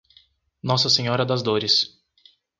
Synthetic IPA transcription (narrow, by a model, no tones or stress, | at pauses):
nɔsɐseɲɔɾɐd̪ɐzd̪oɾɪs